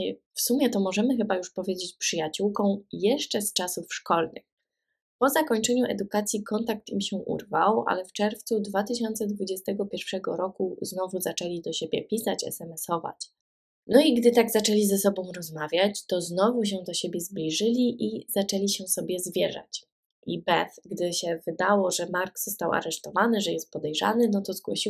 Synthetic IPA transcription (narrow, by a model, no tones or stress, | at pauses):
fsumʲjɛt̪ɔmɔʐɛmɘxɘbajuʂpɔvʲjed͡ʑet͡ɕpʂɘjat͡ɕuwkɔ̃w̃jɛʂt͡ʂɛst͡ʂasufʂkɔlnɘ̰x | pɔzakɔɲt͡ʂɛɲuʔɛ̰d̪ukat̪sʲjikɔnt̪ak̚t̪imɕɛʔṵɾvawʔa̰lɛft͡ʂɛɾft̪sud̪vat̪ɘɕɔnt̪sɛd̪vud͡ʑɛst̪ɛɡɔpʲjɛɾfʂɛɡɔ̰ɾɔkuznɔvuzat͡ʂɛlʲid̪ɔɕebʲjɛpʲisat͡ɕɛ̰sɛmɛsɔva̰t͡ɕ | nɔiɡd̪ɘt̪aɡzat͡ʂɛlʲizɛsɔbɔ̃w̃ɾɔzmavʲjat͡ɕt̪ɔznɔvuɕ̬ɛd̪ɔɕebʲjɛzblʲiʐɘlʲiʔizat͡ʂɛlʲiɕɛsɔbʲjɛzvʲjɛʐa̰t͡ɕ | ibɛfɡd̪ɘɕɛvɘd̪awɔʐɛmaɾɡz̥ɔst̪awa̰ɾɛʂt̪ɔvanɘʐɛjɛst̪̚pɔd̪ɛjʐa̰nɘnɔt̪ɔzɡwɔ̰ɕi